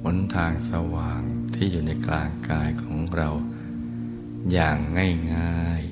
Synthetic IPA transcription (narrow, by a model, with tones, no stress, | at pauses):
pʰo˨˩˦nt̪ʰaː˧ŋsa˧waː˨˩ŋt̪ʰiː˥˩juː˨˩na˧jklaː˧ŋkaː˧jkʰɔː˩˦ŋɾa˧w | jaː˨˩ŋːa˥˩jŋaː˥˩j